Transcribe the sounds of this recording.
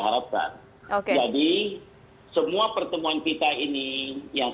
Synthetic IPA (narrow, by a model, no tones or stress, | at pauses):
ɦaɾap̚ka̰n | okd͡ʒadi | səmuapərt̪əmuankit̪ainijaŋ